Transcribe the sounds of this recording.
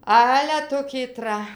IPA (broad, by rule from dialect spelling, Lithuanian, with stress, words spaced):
ˈɑːlʲɛ ˈtʊ kʲiːˈtrɐ